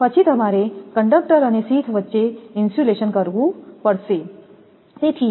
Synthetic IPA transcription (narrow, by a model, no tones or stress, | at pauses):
pət͡ɕʰit̪əmaɾekəɳɖək̚ʈəɾənesiːt̪ʰʋət̪ːʃeinsuleɕənkəɾʋũpəɽse | set̪ʰi